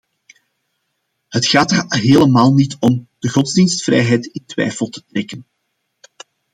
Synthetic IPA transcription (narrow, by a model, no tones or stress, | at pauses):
hətxaːtərɦeːləmaːlˠnitɔmd̥əɣɔdzdinstfrɛ̰jɦɛjtɪntwɛ̰jfəlˠtə̥trɛkən